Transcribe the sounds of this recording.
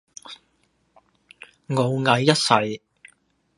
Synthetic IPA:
ŋo˨˧wŋɐ˨˧jːɐ˥t̚sɐ˨˧j

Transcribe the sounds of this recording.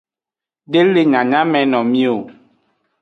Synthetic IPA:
ɖe˦le˦ɲã˨ɲã˦mɛ̃˨nɔ̃˨mĩ˦o˨

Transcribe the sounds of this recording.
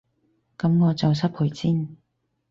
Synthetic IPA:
kɐ˨˧˦mŋɔː˨˧t͡sɐ˨ws̬ɐ˥p̚hʊ˨˥jsiː˥n

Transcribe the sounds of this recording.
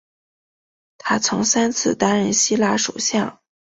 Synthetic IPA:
t̪ʰa˥t͡sʰʊ˧˥ŋsa˥nt͡sʰɹ̩˥˩t̪a˥nɻə˧˥˩nɕi˥la˥ʂo̰˨˩ɕjɑ˥˩ŋ

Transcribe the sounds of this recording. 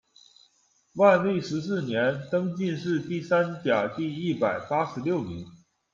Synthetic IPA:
wa˥˧nli˥˩ʂɻ̩˧˥s̬ɹ̩˥˩njɛ˧˥nt̪ɤ˥ŋt͡ɕi˥˧nʂɻ̩˥˧t̪i˥˩sa˥nt͡ɕja˨˩t̪i˥˧i˥˩pa˨˩ɪpa˥ʂɻ̩˧˥ljo˥˩ʊmi˧˥ŋ

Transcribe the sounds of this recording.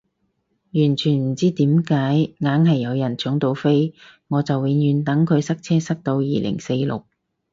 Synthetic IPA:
jyː˨˩nt͡ʃʰyː˨˩nm̩˨˩t͡siː˥t̪iː˨˥mkaː˨˥jŋaː˨˥nɦɐ˨jːɐ˨˧wjɐ˨˩nt͡ʃʊ˨˥ŋt̪o˧wfe˥jŋɔː˨˧t͡sɐ˨wːiː˨˧jyː˨˧nt̪ɐ˨˥ŋkʰɵ˨˧ɥsɐ˥k̚t͡sʰɛː˥sɐ˥k̚t̪o˧wjiː˨lʔɪ̰˨˩ŋse˧jlʊ̰˨˩k̚

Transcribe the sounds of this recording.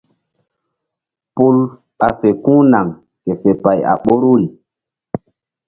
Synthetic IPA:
pu˦l | a˨fe˨kũ˦na˨ŋ | ke˨fe˨pa˨ja̰˨ɓo˦ɾu˦li˨

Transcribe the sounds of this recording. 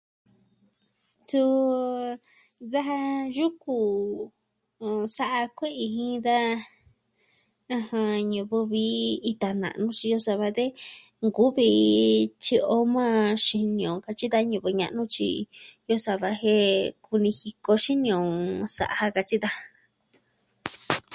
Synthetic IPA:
t̪u˧ | ða˦a˧ʒu˦ku˧˨˧ | sa˧ʔa˧kʷe˦ʔi˧hĩ˦d̪a˦ | ã˧hã˧ɲũ˧βu˧βi˧˦i˧t̪a˨nã̰˨nũ˦t͡ʃi˧jo˧sa˧βa˧ðe˦ | ŋɡu˦βi˧t͡ʃi˧o˧˦mã˦ʃi˧nĩ˧õ˨ka˧t͡ʃi˦d̪a˦ɲũ˧˨βɨ˧ɲã̰˧ʔnũ˦t͡ʃḭ˧jo˦sa˧βa˧he˦ku˧nĩ˧hi˧ko˧ʃi˦nĩ˧õ˨sa̰˧˨ʔa˧ha˧ka˧t͡ʃi˦d̪a˦

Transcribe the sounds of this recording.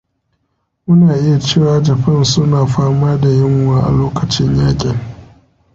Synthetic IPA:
ʔʊ˦naː˨ʔɪ˦ja˨t͡ʃeː˦˨waː˨d͡ʒɐ˨ɸɐ˦˨nsʊ˦naː˨ɸaː˦maː˦da˨jɪ˦ŋwaː˦ʔa̰˨loː˦kɐ˨t͡ʃɪ˦ɲjaː˦kʲʼɪ˨ŋ

